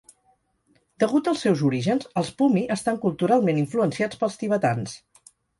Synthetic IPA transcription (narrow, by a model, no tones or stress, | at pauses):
d̪̥əɣut̪əlˠsːɛwzuɾiʒənzəlˠspumiʔəst̪aŋkulˠt̪uɾalˠmeniɱfluənsiat͡spəlˠst̪iβ̞ət̪ans